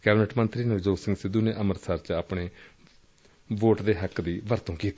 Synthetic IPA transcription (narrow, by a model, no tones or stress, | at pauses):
kɛːbɪnəʈmənt̪ɾiːned͡ʒoːsɪŋɡsɪd̪ːuːneːʔəməɾsaːɾt͡ʃaːpɳeː | ʋoːʈd̪eːɦəkd̪iːʋəɾt̪õːkiːt̪i